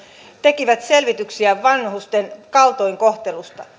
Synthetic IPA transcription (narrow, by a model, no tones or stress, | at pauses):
t̪ekiʋæt̪selʋit̪yksiæʋɑnhust̪enkɑlt̪oiŋkoht̪elust̪ɑ